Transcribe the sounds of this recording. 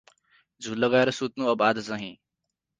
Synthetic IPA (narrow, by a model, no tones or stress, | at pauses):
d͡zʱulːʌɡaeɾʌsut̪nuʌbad̪ʱt͡sʌɦĩ